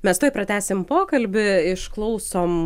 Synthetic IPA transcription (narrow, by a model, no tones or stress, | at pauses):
mʲɛst̪oːɪpɾɐt̪ʲæːsʲɪmpoːkɐlʲbʲɪɪʃklˠɒʊsoːm